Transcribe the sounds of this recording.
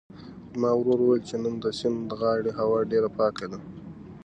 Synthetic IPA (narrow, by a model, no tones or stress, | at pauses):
mɑwɾoɾuwajlt͡ʃenənd̪əsɪnd̪əɣɑɽeɦawɑɖeɾapɑkad̪a